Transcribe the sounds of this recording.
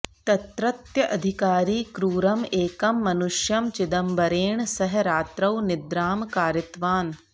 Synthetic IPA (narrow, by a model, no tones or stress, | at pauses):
t̪ɐt̪ɾɐt̪jɐʔɐd̪ʱikaːɾiːkɾuːɾɐmeːkɐmːɐnuʃjɐmt͡ʃɪd̪ɐmbɐɾeːɳsɐɦɾaːt̪ɾɐwnɪd̪ɾaːmkaːɾjɐt̪ʋaːn